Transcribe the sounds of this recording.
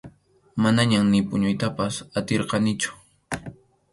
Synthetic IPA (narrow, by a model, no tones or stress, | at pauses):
manaɲamnɪpʊɲʊjt̪apasat̪eɾqɑnɪt͡ʃʊ̥